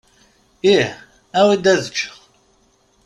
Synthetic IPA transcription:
iħ | æwid̪æðət͡ʃː

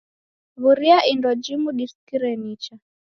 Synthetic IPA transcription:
βuɾiaʔindɔd͡ʒimuɗiskiɾɛnit͡ʃa

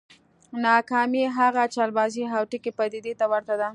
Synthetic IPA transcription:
nɑkɑmiɦaɣat͡ʃɑlbɑziɦawʈikepəd̪ɪd̪et̪awaɾt̪ad̪a

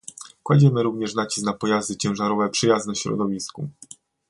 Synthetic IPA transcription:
kwad͡ʑɛmɘɾuvɲɛʂnat͡ɕi̥snapɔjazd̪ɘt͡ɕɛ̃w̃ʐaɾɔvɛpʂɘjazɛɕɾɔ̰d̪ɔvʲisku

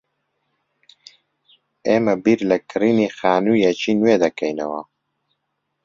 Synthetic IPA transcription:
eːmɐbiɾlɐkʰɨriːnixaːnujɛt͡ʃiːnweːd̪ɐkɛjnɐ̰wɐ

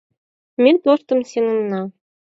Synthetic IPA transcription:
mʲet̪oʃt̪ɤ̆msenɤ̆nːɑ

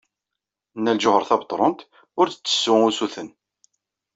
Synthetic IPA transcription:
nːælʒʊhəɾˤθɑbət̪ˤɾˤont̪ | ʊɾθə̥t͡sːə̥sːʊŋusuθən

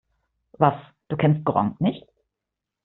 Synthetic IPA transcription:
vas | d̥uːkʰɛnst̚ɡ̥ʁɔ̰ŋnɪçt

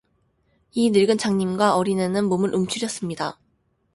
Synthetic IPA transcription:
inɯɭɡɯnt͡ɕʰaŋɲimɡwaʔʌɾinenɯnmomɯɾɭʔumt͡ɕʰuɾjʌs͈ɯmɲida

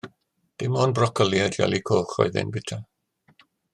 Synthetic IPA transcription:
d̥ɪmɔnbrɔkʰəlˠjadja̰lˠikʰoːχɔ̰ɨðɪ̰nbɪtʰa

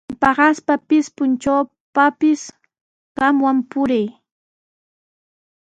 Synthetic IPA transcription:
pɑɢɑspapɪspʊnt͡ʃaw | papɪs | ɢɑmwampʊɾaj

